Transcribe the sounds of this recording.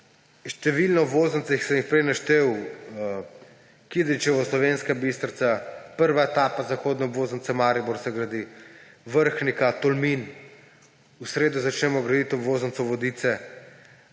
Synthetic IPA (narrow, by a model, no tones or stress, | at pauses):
ʃt̪ɛʋilnɔbʋoːzənt̪ixsɛmjixpɾɛjnaʃt̪ew | kid̪t͡ʃɛʋɔslɔʋenskabist̪ɾt̪sapəɾʋaet̪aːpazaxoːd̪nɛɔbʋoːzənt̪sɛmaːɾibɔɾsɛɡɾad̪i | ʋəɾxnikat̪ɔlmin | usɾeːd̪uzat͡ʃnɛmɔɡɾad̪it̪ɔbʋoːzənt̪sɔʋɔd̪iːt̪sɛ